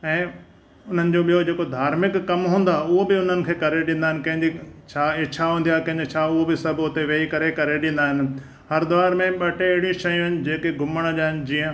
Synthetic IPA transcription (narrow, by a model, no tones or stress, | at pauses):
ɛ̃ː | ʊn̤ənɪ̆d͡ʑoːɓijod͡ʑeːkod̪ʱaːɾmɪkːɐmɦũːn̆d̪aʊɦobɪʊn̤ənɪ̆kʰeːkɐɾeɗĩːnd̪aːɦɪnɪ̆kɐ̃ɦɪ̃ɲd͡ʑit͡ɕʰaːt͡ɕʰaɦũːnd̪ijakɐ̃ɦɲd͡ʑit͡ɕʰaːʊɦobɪsɐbʱʊt̪eʋeːikɐɾekɐɾeɗẽːn̆d̪aːɦɪnɪ̆ | hɐɾd̪ʊʋaːɾmẽɓɐʈʰeɐɦɪɽĩʃɐjʊ̃nɪ̆d͡ʑeːkeɡʱʊməɽ̃ʄaːɦɪnɪ̆d͡ʑiːə̃